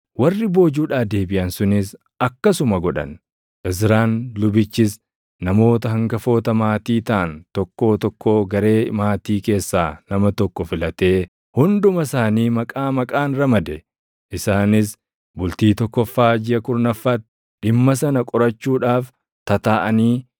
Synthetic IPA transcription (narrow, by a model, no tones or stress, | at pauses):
wɐrːɪbo̞ːd͡ʒuːᶑaːfd̪e̞ːbɪʔɐnsʊnɪs | ʔɐkːɐsʊmɐɡɔᶑɐ̰n | ʔɪs̬ɾaːnlʊbɪt͡ʃːɪs | nɐmo̞ːt̪ɐɦɐŋɡɐfo̞ːt̪ɐmaːt̪iːt̪aːnt̪ɔkːo̞ːt̪ɔkːoːɡɐɾe̞ːmaːt̪iːke̞ːsːaːnɐmɐt̪ɔkːɔfɪlɐt̪e̞ː | hʊnd̪ʊmɐsaːniːmɐkʼaːmɐkʼaːnɾɐmɐd̪ɛ | ʔɪsaːnɪs | bʊlt̪iːt̪ɔkːɔfːaːd͡ʒɪʔɐkʊɾnɐfːɐt̪ | ᶑɪmːɐs̬ɐnɐkʼɔɾɐt͡ʃːuːᶑaːf | t̪ɐt̪aːʔɐniː